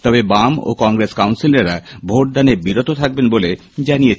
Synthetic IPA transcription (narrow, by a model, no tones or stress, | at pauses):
t̪ɔbebamo̰kɔŋɾeskawnsileɾabʱoʈ̚d̪anebiɾot̪ot̪ʰak̚benbole | d͡ʑanije